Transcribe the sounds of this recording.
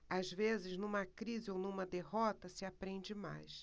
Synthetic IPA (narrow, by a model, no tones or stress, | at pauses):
azvezɪznũmɐkɾizɪownũmɐd̪eɦɔt̪ɐsɪapɾẽd͡ʒɪma̰js